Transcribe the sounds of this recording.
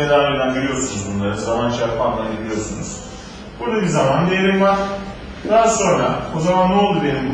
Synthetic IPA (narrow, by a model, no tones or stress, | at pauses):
ed̪aod̪anɟiɾijo̞ɾsunuzbunlˠaɾɯszamant͡ʃaɾpʰanlˠanɟilʲijo̞sunuz̥ | b̥uɾd̪abizamand̪ejeɾimvaɾ | d̪aɦaso̞nɾaozamanːolˠd̪ube̞nim